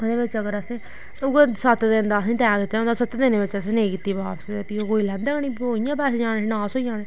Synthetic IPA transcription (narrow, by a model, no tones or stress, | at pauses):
ʊd̪eːʋɪt͡ʃəɡəɾəsẽː | ʊɡəsət̪d̪ɪnd̪aːsĩːʈɛːɡɪt̪ːaõːnd̪aːsət̪d̪ɪneːʋɪt͡ʃəs̬ẽːnẽːkit̪ːiːbaːpsd̪epioːkoːiːlɛ̃ːnd̪eːkəɳĩːpɦoːijãːpɛːseːd͡ʒaːnenãːsoːijãːneː